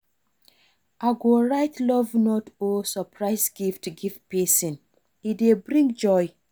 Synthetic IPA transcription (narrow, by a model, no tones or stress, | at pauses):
aɡoɹaɪtʰlɔvnɔtosɔpɹaɪsɡiftɡivpɛsĩn | idebɹĩŋd͡ʒɔj